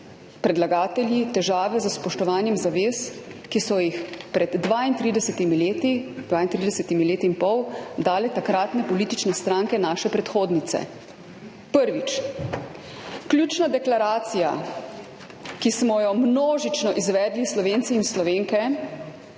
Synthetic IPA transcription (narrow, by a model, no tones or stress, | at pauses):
pɾɛd̪laɡaːt̪ɛljit̪ɛʒaːʋɛzəspɔʃt̪ɔʋaːnjɛmzaʋeːskisɔjixpɾɛd̪ːʋaint̪ɾiːd̪ɛsɛt̪imileːt̪id̪ʋaːint̪ɾid̪ɛsɛt̪imileːt̪iːnpɔwd̪aːlɛt̪akɾaːt̪nɛpɔliːt̪it͡ʃnɛst̪ɾaːŋkɛnaːʃɛpɾɛt̪xoːd̪nit̪sɛ̰ | pəɾʋit͡ʃ | kljuːt͡ʃnad̪ɛklaɾaːt̪sija | kismɔjɔmnoːʒit͡ʃnɔʔizʋɛːd̪lislɔʋeːnt̪siːnslɔʋeːŋkɛ